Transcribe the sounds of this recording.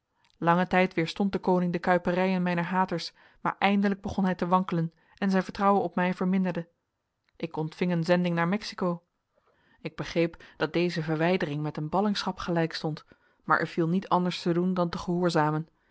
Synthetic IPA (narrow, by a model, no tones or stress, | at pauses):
lɑŋətɛjtʋɪːɹstɔnt̚dəkownɪŋdəkœɥpərɛjənmɛjnəɹɦaːtəɹs | ma̰ːɹʔɛjndələɡ̚bəχɔnɦɛjtəʋɑŋkələn | ʔɛnzɛjnvəɹtrɑwənɔpmɛjvəɹmɪndəɹdə | ʔɪkɔntfɪŋənzɛndɪŋnaːɹmɛksi̥kow | ɪɡ̚bəχrejpd̥ɑt̚dejzəvəɹʋɛjdərɪŋmɛtənbɑlɪŋsχɑpχəlɛjkstɔnt | ma̰ːɹʔɛ̰ɹv̥ilˠnitɑndəɹstədundɑntəχəɦʊːɹzaːmən